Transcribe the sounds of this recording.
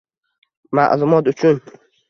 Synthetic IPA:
ma̰ʔlumɔt̪ut͡ʃʰun

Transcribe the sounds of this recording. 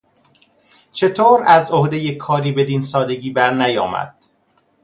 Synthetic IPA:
t͡ʃʰe̞t̪ʰoːɾæzohd̪ejekʰɒːɾiːbe̞d̪iːnsɒːd̪e̞ɡiːbæɾnæjɒːmæ̰d̪̥̚

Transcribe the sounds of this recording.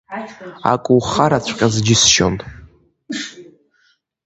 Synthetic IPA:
a̰kʷʼʊwχaɾat͡ɕʷʰqʲʼazd͡ʒɪsʃo̰ntʼ

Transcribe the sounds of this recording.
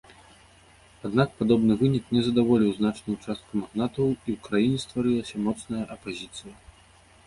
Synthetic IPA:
ad̪nak̚pad̪ɔbnɨvɨnʲiknʲɛzɐd̪avɔlʲiwznat͡ʂnujut͡ʂast̪̚kumaɣnat̪ɐwiwkɾajinʲɛst̪vaɾɨlˠɐsʲɐmɔt̪snɐjɐʔɐpazʲit̪sɨjɐ

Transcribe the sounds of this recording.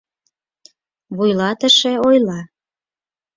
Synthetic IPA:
βujlɑt̪əʃeojlɑ

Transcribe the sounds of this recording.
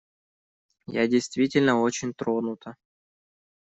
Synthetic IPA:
ja̰dʲɪjst̪vʲitʲɪlʲnəo̞t͡ɕɪnʲt̪ɾonʊt̪ʰə

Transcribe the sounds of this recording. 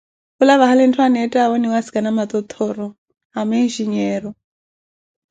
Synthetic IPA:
kulaβaɦalɛntʰwanɛtʼaβɔniwasi̥kʼanamat̪ɔt̪ʰɔɾɔ | ɦamenʒiɲɛːɾɔ

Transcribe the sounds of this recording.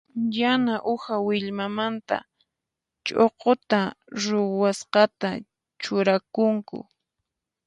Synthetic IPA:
janaʔʊhawɪʎmamant̪a̰ | t͡ʃoqot̪aɾʊwasqɑt̪a | t͡ʃʊɾakʊŋkʊ̰

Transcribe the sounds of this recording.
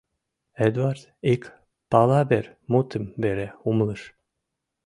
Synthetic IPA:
ed̪vaɾd̪ik | palˠabɛɾmut̪ɨmbeɾɛumlˠɯʃ

